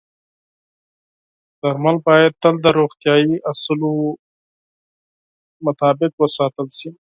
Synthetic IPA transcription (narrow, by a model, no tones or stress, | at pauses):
d̪̥ɐɾmalbɑːjad̪̚ːəld̪əɾoːxt̪jɑːiʔɐslo | mɐt̪ɑːbɪqwəsɑːt̪əlsi